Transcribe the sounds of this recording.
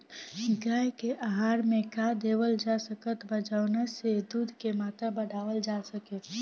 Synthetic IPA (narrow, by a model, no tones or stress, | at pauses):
ɡaːjkeʔaɦaːɾmẽkad̪eːʋəld͡ʒasəkət̪bəd͡ʒaːʊnased̪uːd̪ʱkemaːt̪ɾabəɽaːʋəld͡ʒasəkeː